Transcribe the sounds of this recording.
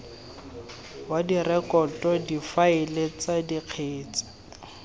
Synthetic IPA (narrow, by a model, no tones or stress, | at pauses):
wadirɛkɔtʼɔdifaɪlet͡sadiq͡χʰeːt͡si̥